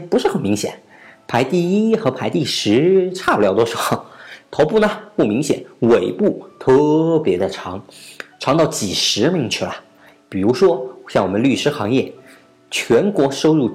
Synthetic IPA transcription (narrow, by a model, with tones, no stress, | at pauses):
pu˧˥ʂɻ̩˥˩xə˨˩nmi˧˥ŋɕjɛ̰˨˩˦n | pʰa˧˥ɪt̪i˥˩i˥xɤ˧˥pʰa˧˥ɪt̪i˥˩ʂɻ̩˧˥ʈ͡ʂʰa˥˩pu˨˩ljɑ˧˥ʊt̪ɔ˥ʂɻxt̪ʰo˧˥ʊpu˥˩nə˩pu˥˩mi˧˥ŋɕjɛ̰˨˩˦nwe˨˩ɪpu˥˩t̪ʰɤ˥˩pjɛ˧˥d̪ə˧ʈ͡ʂʰɑ˧˥ŋʈ͡ʂʰɑ˧˥ŋt̪ɑ˥˩ʊt͡ɕi˨˩ʂɻ̩˧˥mi˧˥ŋt͡ɕʰy˥˩lɐ̰˩ | pi˨˩ɻu˧˥ʂwɔ˥ɕjɑ˥˩ŋwɔ˨˩mə˦ly˥˩ʂɻ̩˥xɑ̰˧˥ŋjɛ˥˩ | t͡ɕʰɥɛ˧˥nkwɔ˧˥ʂo˥ʊɻu˥˩